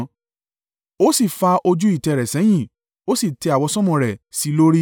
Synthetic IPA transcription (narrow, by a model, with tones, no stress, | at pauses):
o˦si˦˨fa˧ʔo˧d͡ʒu˦i˦˨tɛ˨ɾɛ˨sɛ̃˨˦j̃ĩ˦˨ | o˨˦si˦˨tɛ˧˦a˨wɔ˧sɔ̃˦mɔ̃˧˨ɾɛ˨si˨˦lo˦ɾi˦